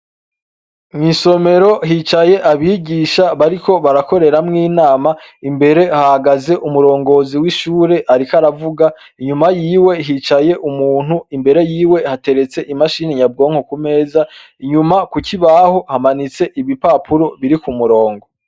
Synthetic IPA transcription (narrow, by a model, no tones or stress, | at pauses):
miso̞me̞ɾo̞ɦit͡ʃaje̞ʔaβiɡiʃaβaɾiko̞βaɾako̞ɾe̞ɾamŋiːnaːmaimbe̞ɾe̞hahaɡaze̞ʔumuɾo̞ːŋɡo̞ziwiʃuːɾe̞ʔaɾikaɾavuɡa | iɲumajiːwe̞ɦit͡ʃaje̞ʔumuːn̥huimbe̞ɾe̞jiːwe̞hate̞ɾe̞t͡se̞ʔimaʃiːniɲab̚ɡo̞ːŋhokume̞ːza | iɲumakuciβaho̞hamanit͡se̞ʔiβipapʰuɾo̞βiɾikumuɾo̞ːŋɡo̞